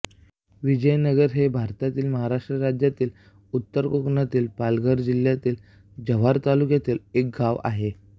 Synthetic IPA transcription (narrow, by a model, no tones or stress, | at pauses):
ʋid͡ʑəjnəɡəɾɦebʱaɾt̪at̪iːlməɦaɾaʂʈɾəɾad͡ʑjat̪iːl | ut̪ːəɾkokɳat̪iːlpalɡəɾd͡ʑil̤jat̪iːl | d͡ʑəʋ̤aɾt̪alukjat̪iːlek̚ɡaʋa̰ɦe